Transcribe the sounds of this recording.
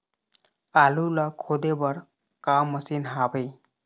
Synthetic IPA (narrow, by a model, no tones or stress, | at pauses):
alulakʰod̪ebəɾ | kaməsinɦabej